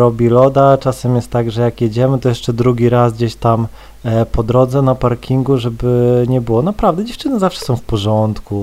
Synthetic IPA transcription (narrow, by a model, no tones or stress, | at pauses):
ɾɔbʲilɔd̪at͡ʂasɛmjɛst̪ːaɡʐɛjakjed͡ʑɛmɘt̪ɔjɛʂt͡ʂɛd̪ɾuɡʲiɾasɡd͡ʑeɕt̪am | pɔd̪ɾɔd̪zɛnapaɾkʲiŋɡuʐɛbɘɲɛbɘwɔnapɾavd̪ɛd͡ʑɛft͡ʂɘnɘzafʂɛ̥sɔ̃w̃fpɔʐɔnt̪ku